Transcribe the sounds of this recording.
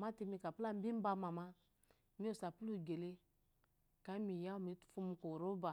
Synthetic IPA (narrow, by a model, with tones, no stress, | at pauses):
ma˦ti˧mi˧ka˨pla˦m̩˦bi˦ba˧ma˨ma˦ | mi˦o˨sa˨pu˦lu˦˨ɡe˨le˦ | ka˨˦mi˨ja˦o˦˨mi˨˦tu̥˦fu˦m˧˦ko˨ɾo˦ba˨